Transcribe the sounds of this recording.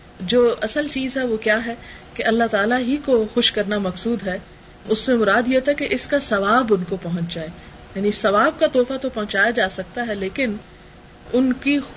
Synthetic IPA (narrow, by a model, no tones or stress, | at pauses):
d͡ʒoːʔɐsəlt͡ʃiːzɦɛʋokjaːɦɛkeʔɐlːaɦt̪aːlaɦikoxʊʃkɐɾnamɐksuːd̪ɦɛ | ʊsmẽmʊɾaːd̪jet̪ɛkeʔɪskasɐʋaːbʊnkopɐɦʊ̃ɲt͡ʃd͡ʒaːe | jaːnisɐʋaːb̚kat̪ɔːfat̪opɐɦʊ̃t͡ʃaːjad͡ʒaːsɐk̚t̪aɦɛleːkɪn | ʊnki